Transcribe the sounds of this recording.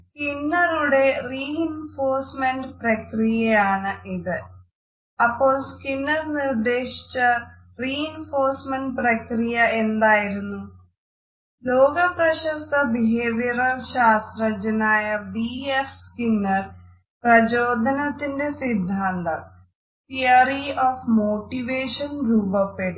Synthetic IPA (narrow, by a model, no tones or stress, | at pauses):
skinːɐɾuɽe̞riːinfoːrsmeɳɖprɐkrijɐjaːɳɨʔiðɨ | ɐpːo̞ːɭskinːɐrnird̪e̞ːʂi̥t͡ɕːɐ | riːinfoːrsmeɳɖprɐkɾijɐend̪aːjiɾunːu | lo̞ːɡɐprɐɕɐst̪ɐbiɦeːʋjɐɾɐɕaːst̪ɾɐd͡ʑɐnaːjɐbiefskinːɐr | prɐd͡ʑoːd̪ʱɐnɐt̪ːinde̞sid̪ʱːaːnd̪ɐ | t̪ijɐɾioːfmoːʈːiʋeːʂɐnruːbɐpːeɽu